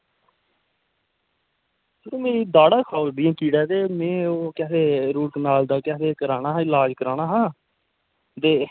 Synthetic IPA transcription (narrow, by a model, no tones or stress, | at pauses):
səɾoːmẽːd̪aːɽaːkʰaːld̪ijãːkiːɽɛːt̪eːmẽːoːkɛːt̪eːɾuːknaːld̪aːkɛːt̪eːkəɾaːñaːɦɪlaːd͡ʒkəɾaːnaːɦãː | t̪eː